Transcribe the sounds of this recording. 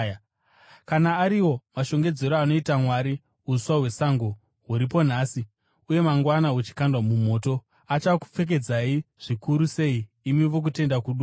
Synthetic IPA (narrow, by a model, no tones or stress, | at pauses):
kanaːɾiwo̞maʃo̞ŋɡe̞d͡ze̞ɾoano̞itamwaɾi | uswawe̞saŋɡo̞ | ɦuɾip̬o̞n̤aːsi | uje̞maŋɡwanaut͡ʃi̥kandwamum̤o̞ːto̞ | at͡ʃaku̥p͡fe̞k̬e̞d͡zaiʐ̥ikuɾuse̞iː | miʋo̞k̬ute̞ndakuɗu